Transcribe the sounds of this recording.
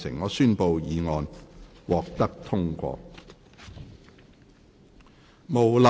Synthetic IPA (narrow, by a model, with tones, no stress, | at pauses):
sɪ̰˨˩ŋːɔː˨˧syː˥npo˨wjiː˨˧ŋɔː˧n | wɔː˨k̚t̪ɐ˥k̚t̪ʰʊ˥ŋkʷɔ̰ː˧ | mo˨˩wla˨